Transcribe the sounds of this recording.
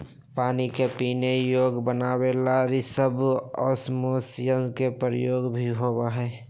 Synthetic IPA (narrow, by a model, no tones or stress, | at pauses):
paːnikepiːnejoːɡbənaːwelaɾisəbɔ̰ːsmoːsjənkepɾəjoːɡbʱiɦoːbaɦɛː